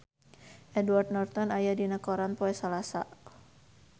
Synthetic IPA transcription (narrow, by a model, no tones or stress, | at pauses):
ʔɛdward̪̚nɔrt̪ɔnajadinəkɔɾanpɔɛsalasa̰